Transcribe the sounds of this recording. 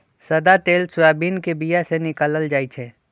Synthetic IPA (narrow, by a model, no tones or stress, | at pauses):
səd̪at̪eːlsʊaːbiːnkebijasenɪkaːləld͡ʒaːit͡ʃʰɛ